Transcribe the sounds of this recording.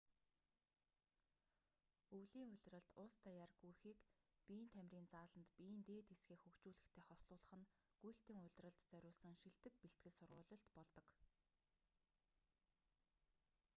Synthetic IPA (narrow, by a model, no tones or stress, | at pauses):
uwɮiːŋʊ̟ɮʲrə̆ɮt̪ʊst̪aːjarɡujxiːkpʲiːnt̪ʰæmʲriːnt͡saːɮə̆nt̪pint̪eːt̪esɡeːxxɵkt͡ɕuːɮɘ̆xt̪ʰeːχɔsɮʊːɮə̆χə̆n | ɡ̥ujɬt̪iːŋʊɮʲrə̆ɮt̪t͡sœɾʲʊːɮsə̆ŋʃiɮt̪ɘ̆k̚piɬt̪̚ɡɘ̆ɮsʊrʁʊ̰ːɮɞ̆ɬt̪pɔɮt̪ɞ̆k